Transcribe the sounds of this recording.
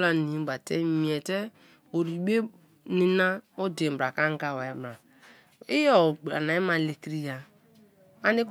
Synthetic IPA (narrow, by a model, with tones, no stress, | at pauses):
la˦nĩ˨˦ba˨tɛ˦mi˨ɛ˨tɛ˦ | o˨ɾi˨˦ɡ͡be˦ | ni˦na˦o˦de˨m̩˨bɾa˨ka˦ŋ˦ɡa˦˨wa˨ɛ˦bɾa˨ | i˦jɔ˦˨ɡ͡ba̰˨na˨i˦ma˨le˨ki˦ɾi˦ja˨ | a˦ni˦k